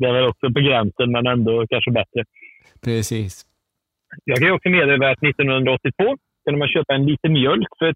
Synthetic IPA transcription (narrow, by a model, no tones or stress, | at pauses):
d̪ɛæɾvɛlɔksɔpɔɡɾɛnsənmɛnɛnd̪ɔkʰanʂəbɛt̪ɾə | pʰɾɛsiːs | jɑːɡkʰanjʏɔksɔmeːd̪eːvaat̪nɪt̪ːɔnhɵnd̪ɾaɔt̪ːɪt̪ʰv̥oː | kʰɵnəmanɕøːpaɛnliːt̪ənmjœlkːfœɾɛ